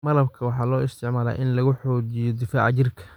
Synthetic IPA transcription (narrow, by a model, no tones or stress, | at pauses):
mɐlɐbkʰɐwɑħɑːlɔːɪst̪ʰɪʕmaːla̰ːʔɪnlɐɣʊħɔːt͡ʃɪjɔd̪ɪfa̰ːʕt͡ʃɪrkʰɐ̥